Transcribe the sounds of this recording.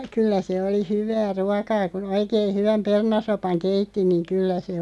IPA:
kylːæ se oli hyʋæː ruɑkɑː kun oikein̞ hyʋæm pernɑsopɑŋ keitːi niŋ̆ kylːæ se

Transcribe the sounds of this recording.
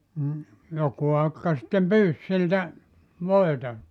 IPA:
m̩ joku ɑkːɑ sĭtːem pyːs siltæ ʋoetɑ

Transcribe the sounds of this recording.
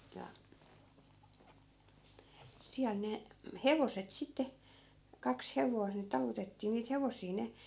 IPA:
jɑ siæl ne heʋoset sitːe kɑks heʋois ni tɑlutetːiː niːt heʋosˑiː ne

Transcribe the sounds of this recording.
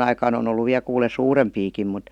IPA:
ɑikɑːn on olːu ʋiæ kuːle suːrempiːkim mut

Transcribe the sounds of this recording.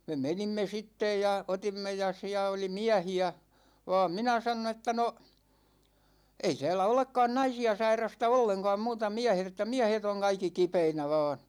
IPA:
me menimːe sitːej jɑ otimːe jɑ siæ oli miæhiæ ʋɑ̝ːm minæ sɑnon etːæ no ei tæːlæ olekːɑːn nɑisiɑ sɑirˑɑstɑ olːeŋkɑ̝ː muːtɑ miæhet etːæ miæhet oŋ kɑikːi kipeinæ ʋɑ̝ːn̞

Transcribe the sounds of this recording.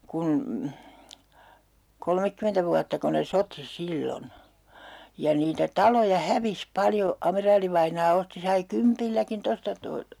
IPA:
kun kolmekːymentæ ʋuɑtːɑko ne soti silːon jɑ niːtæ tɑlojɑ hæʋis pɑljo ɑmerɑːliʋɑinɑː osti sɑi kympilːækin tostɑ to

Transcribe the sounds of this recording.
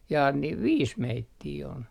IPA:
jɑː niːʋ ʋiːs meitːiː on

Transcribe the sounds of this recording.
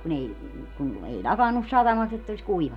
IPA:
kun ei kun ei lʲɑkɑnːus sɑtɑmɑst etː olis kuiʋɑnːu

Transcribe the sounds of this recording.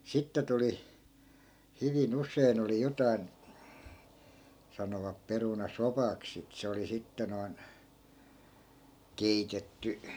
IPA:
sitːe tuli hyʋin usˑein oli jotɑi̯n sɑnoʋɑp perunɑsopɑks sit se oli sitːe noi̯n keitetːy

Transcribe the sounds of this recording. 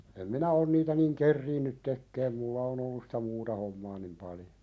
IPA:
em minæ on niːtæ niŋ kerːiːnːyt tekːeːm mulːɑ on olːus sĭ̥tæ muːtɑ homːɑː nim pɑljo

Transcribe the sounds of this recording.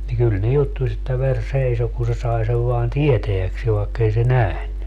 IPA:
ni kyl ne jutːusʲ etːæ ʋer seiso ku se sɑi seʋ ʋoɑn tieteækseːʋ ʋɑekːei se næhny

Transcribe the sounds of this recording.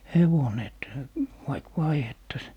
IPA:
heʋone et ʋɑik ʋɑihetːɑs

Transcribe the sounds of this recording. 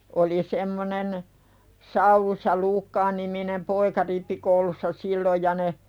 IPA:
oli semːonen sɑulus jɑ luːkːɑː niminem poikɑ ripːikoulusːɑ silːoj jɑ ne

